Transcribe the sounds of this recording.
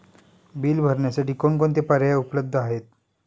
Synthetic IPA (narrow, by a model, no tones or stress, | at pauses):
biːlbʱəɾɳjasaʈiːkoɳkoɳt̪epəɾjaupləb̚d̪ʱːəaɦet̪̚